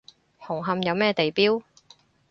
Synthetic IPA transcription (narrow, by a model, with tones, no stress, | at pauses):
hʊ˨˩ŋɦɐ˧mjɐ˨˧wmɛː˥t̪e˨jpiː˥w